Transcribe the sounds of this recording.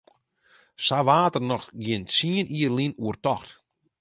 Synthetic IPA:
saʋaːtərnɔxɡjɪntsiəniːərlinuərtɔxt

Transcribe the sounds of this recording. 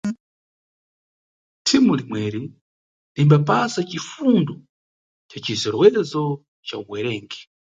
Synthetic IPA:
tʰimulimwɛɾi | limbapasat͡ʃifundɔ | t͡ʃat͡ʃizɛɾwɛzɔ | t͡ʃauɡwɛɾɛːŋɡɛ̥

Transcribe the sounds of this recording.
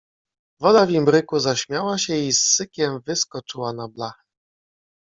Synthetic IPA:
vɔd̪avʲimbɾɘkuzaɕmʲjawaɕɛisːɘkʲɛmvɘskɔt͡ʂɘwanablax

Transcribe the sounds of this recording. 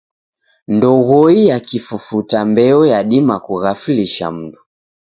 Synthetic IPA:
ndɔɣɔijakifufutambɛɔjaɗimakuɣafiliʃa̰m̩du

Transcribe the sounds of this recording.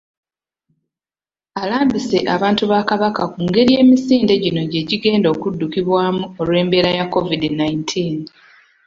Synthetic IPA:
alaːmbise̞ʔaβaːntuβaːkaβakakuːŋɡe̞ɾije̞ːmisiːnde̞ɟino̞ɟe̞ɟiɡe̞ːndo̞kudːukiβwaːmuo̞lwe̞ːmbe̞ːɾajakːo̞vidinaintʰiːn

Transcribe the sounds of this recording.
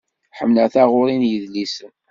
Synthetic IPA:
ħəmləθæʁʊɾinjəðlisən

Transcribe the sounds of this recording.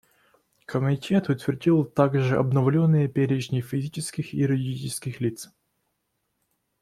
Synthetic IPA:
kʰəmʲɪtʲet̪ʊt̪vʲɪrdʲilˠt̪aɡʐɨʔɐ̰bnɐvlʲonːɨjəpʲeɾʲɪʐnʲɪfʲɪzʲit͡ɕɪskʲɪxiɾʲɨdʲit͡ɕɪskʲɪxlʲit̪s

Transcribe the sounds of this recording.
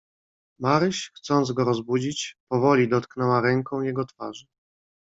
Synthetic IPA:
maɾɘɕxt̪sɔnd̪zɡɔɾɔzbud͡ʑit͡ɕpɔvɔlʲid̪ɔt̪knɛwaɾɛŋkɔ̃w̃jɛɡɔt̪fa̰ʐɘ

